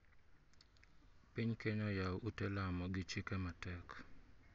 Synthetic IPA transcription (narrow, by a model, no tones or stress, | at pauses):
piɲkeɲɔjawutɛlamɔɡɪt͡ʃɪkɛmatɛk